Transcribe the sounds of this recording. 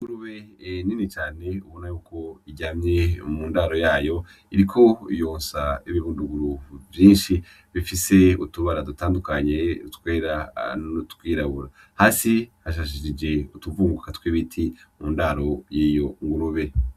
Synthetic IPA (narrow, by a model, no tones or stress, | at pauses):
ŋɡuɾuβeninit͡ʃaːne̞uβo̞najuːkʰo̞iɟaːmɲe̞muːndaɾo̞jaːjo̞ | iɾikʰo̞jo̞ːnsaiβiβuːnduɡuɾuvjiːnʃi | βifise̞utuβaɾadutaːndukaɲeutkwe̞ːɾaotkwiːɾaβuɾa | haːsihaʃ̬aʃ̬iʃid͡ʒe̞utuvuːŋɡuɡakatkwiβitʰimuːndaɾo̞jiːjoŋɡuɾuβe̞